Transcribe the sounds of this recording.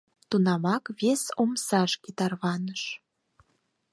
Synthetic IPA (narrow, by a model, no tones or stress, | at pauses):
t̪unɑmɑkβesomsɑʃkit̪ɑrβɑnəʃ